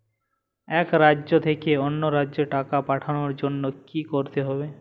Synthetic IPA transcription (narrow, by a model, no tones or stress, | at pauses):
ɛkɾaot̪ʰekeonːoɾaoʈakapaʈʰanoɾd͡ʒonːokikoɾt̪eɦɔbe